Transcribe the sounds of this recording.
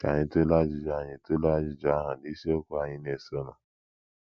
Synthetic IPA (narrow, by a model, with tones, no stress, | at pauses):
ka˨ɲɪ̃˧to˦la˦d͡ʒi˨d͡ʒa˨ɲĩ˨to˦la˦d͡ʒi˨d͡ʒa˨˦ɦã˨di˨˦si˦o˦ku˦a˨ɲɪ̃˦n˦e˨so˦nɔ̃˨